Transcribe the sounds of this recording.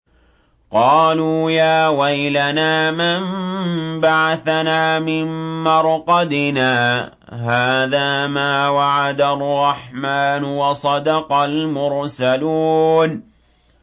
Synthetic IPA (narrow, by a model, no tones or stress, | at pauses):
qɑːluːjaːwajlanaːmambaʕaθanaːmɪmːɑɾˤqɑd̪ɪnaː | ɦaːðaːmaːwaʕad̪aʔrˤːɑħmaːnʊwɑsˤɑd̪ɑqɑlmʊɾsaluːn